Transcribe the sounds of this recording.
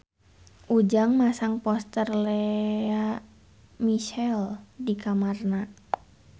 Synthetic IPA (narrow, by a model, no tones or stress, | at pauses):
ʔud͡ʒaŋmasaŋpɔst̪ərlɛa | miʃɛldikamarna